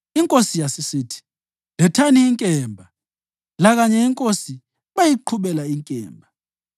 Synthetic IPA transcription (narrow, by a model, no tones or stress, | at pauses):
iŋkʼosijasisiːtʰi̥ | lɛtʰaniːŋkʼɛːmbʱa | laɣaɲɛiŋkʼosi | βajiǃʰuβɛlaiŋkʼɛ̰ːmbʱa